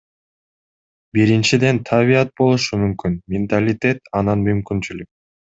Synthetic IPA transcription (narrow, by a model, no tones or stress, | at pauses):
biɾint͡ʃid̪e̞nt̪ʰaβijat̪̚bo̞lˠuʃumymkynmʲɪnt̪alʲɪt̪ʲe̞t̪ɑnɑnmymkynt͡ʃylyk̚